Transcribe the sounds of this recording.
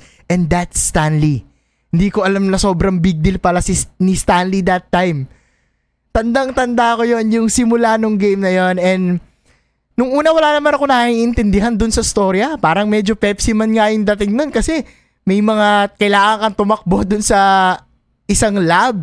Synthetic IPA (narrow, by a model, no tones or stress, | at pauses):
ʔɛnd̪at̪st̪anli | hɪnd̪iːko̞ʔɐlamnɐso̞ːbɾɐŋbiɡ̚d̪ɪlpɐlasɪsnist̪anlid̪ɐt̪ːajm | t̪ɐnd̪aŋt̪ɐnd̪akojo̞njʊŋsɪmʊlanoŋɡejmnɐjo̞nɛnd̪ | nʊŋʔuːnɐwɐlaːnɐmanɐko̞nɐiʔɪnt̪ɪnd̪ɪɦand̪ʊnsɐɪst̪o̞ɾjɐpaːɾɐŋmɛd͡ʒopɛpsimɐnŋajʊŋd̪ɐt̪ɪŋno̞nkɐsɛ | mɐjmɐŋakɐjlaːŋɐŋkɐnt̪ʊmɐk̚bo̞ʔd̪ʊnsɐ | ʔɪsaŋlab̚